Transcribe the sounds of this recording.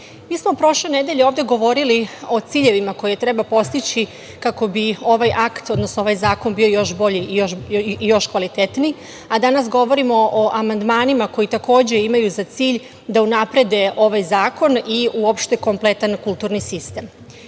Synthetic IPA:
miːsmo̞pɾo̞ʃle̞ned̪e̞ʎeoːvd̪e̞ɡo̞ʋo̞ɾilio̞t̪siːʎe̞ʋimako̞jet̪ɾe̞bapo̞st̪it͡ɕi | kako̞bio̞ʋajʔakt̪o̞d̪no̞snoo̞ʋajzaːko̞nbio̞jo̞ʃbo̞ʎiijoʃjo̞ʃkʋalit̪et̪ni | ad̪anasɡo̞ʋo̞ɾimo̞ʔoʔamand̪maːnimako̞jit̪ako̞ːd͡ʑe̞imajuzat̪siːʎ | d̪aunapɾe̞d̪e̞ʔo̞ʋajzaːko̞niuopʃt̪e̞ko̞mple̞t̪ankulˠt̪uːɾnisist̪e̞m

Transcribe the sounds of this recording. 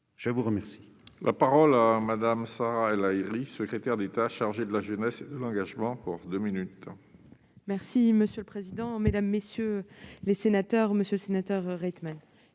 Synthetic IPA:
ʒ̥əvuʁəmɛʁsi̥ | lʔapaʁɔlamad̪amsaʁaɛlaiʁisəkχet̪ɛʁd̪et̪aʃaʁʒed̪əlaʒənɛsed̪əlɑ̃ɡaʒmɑ̃puʁd̪øminyt̪ | mɛʁsiməsjøləpχezid̪ɑ̃med̪amːesjølesenat̪œʁməsjølsenat̪œʁːɛt̪man

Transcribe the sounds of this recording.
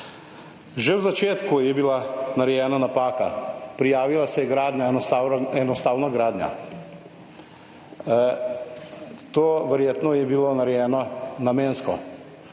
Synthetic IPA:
ʒewzat͡ʃeːt̪kujɛbilanaɾɛjɛːnanapaːkapɾijaːʋilasɛjɛɡɾaːd̪ɲjaaɛnɔst̪aːwnaɡɾaːd̪nja̰ | t̪oːʋɛɾjeːt̪nɔjɛbiloːnaɾɛjɛːnɔnameːnskɔ

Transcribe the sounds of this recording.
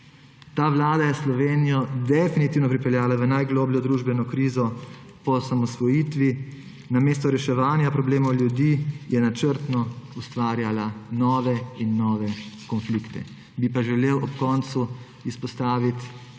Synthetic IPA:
t̪aːʋlaːd̪ajɛslɔʋeːnijɔd̪ɛfinit̪iːwnɔpɾipɛljaːlaʋənajɡloːbljɔd̪ɾuːʒbɛnɔkɾiːzɔ | pɔsamɔsʋɔjiːt̪ʋi | nameːst̪ɔɾɛʃɛʋaːnjapɾɔbleːmɔwljud̪iːjɛnat͡ʃəɾt̪nɔust̪ʋaːɾjalanɔːʋɛinːɔːʋɛkɔnflikt̪ɛ̰ | bipaʒɛleːwʔɔpkɔnt̪su | ispɔst̪aːʋit̪

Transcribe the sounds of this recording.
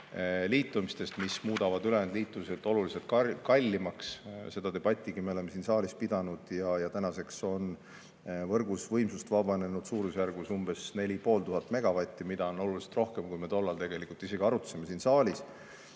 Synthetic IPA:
liːt̪ːˑumist̪e̞st̪mismuːd̪̥ɑvɑd̪ylend̪liːt̪ːˑuse̞lt̪ːˑo̞lulise̞lt̪̚kɑkɑlʲːimɑksse̞d̪̥ɑd̪e̞b̥ɑt̪ʲːˑiɡime̞o̞le̞mːesiːnsɑːlʲispid̪̥ɑnud̪̥jɑjɑt̪ænɑse̞kso̞n | vɤrɡ̥usvɤjmsust̪vɑb̥ɑne̞nud̪̥suːɾusjærɡ̥usumbe̞sne̞lʲipo̞ːlt̪uɦɑt̪ːˑme̞ɡ̥ɑvɑt̪ʲːˑimid̪̥ɑo̞no̞luliselt̪ro̞hkemkujme̞t̪o̞lːɑlt̪e̞ɡ̥e̞likːˑult̪ise̞ɡiɑɾut̪ːseme̞siːnsɑːlʲis

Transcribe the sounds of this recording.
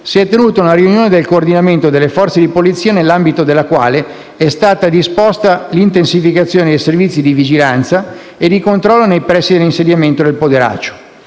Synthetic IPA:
siɛt̪ːenuːt̪aunaɾiunjoːned̪elkoːrd̪inament̪od̪elːefɔrt̪sed̪ipolit̪sːiːanelːambit̪od̪elːakwa̰ːle | ɛst̪aːt̪ad̪ispost̪alint̪ensifikat̪sːjoːned̪ejservit̪sːid̪ivid͡ʒilant̪sa | ed̪ikont̪ɾɔlːonejpɾɛsːid̪elːinsed̪jament̪od̪elpod̪eɾa̰ːt͡ʃːo̥

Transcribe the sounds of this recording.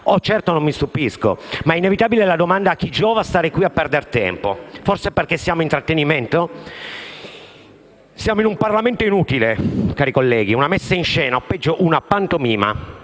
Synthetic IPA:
ɔt͡ʃːɛrt̪onomːist̪upisko̰maɛinevit̪aːbilelad̪omand̪aːk̟ːid͡ʒːɔːvast̪aːɾekwiapːɛrd̪ert̪ɛ̰mpoforseperk̟esːjaːmoint̪ɾat̪ːeniment̪o | sjaːmoinumparlament̪oinuːt̪ilekaːɾikolːɛːɡiunamɛsːainʃɛːnaɔpːɛd͡ʒːoʔunapːant̪omiːma̰

